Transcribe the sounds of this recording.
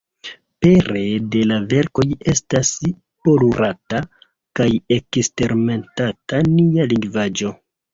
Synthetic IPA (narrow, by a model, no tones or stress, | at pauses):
pe̞ɾe̞de̞lave̞ɾko̞je̞stas | po̞luɾata | kaje̞kste̞ɾme̞ntatanialiŋɡvad͡ʒo̞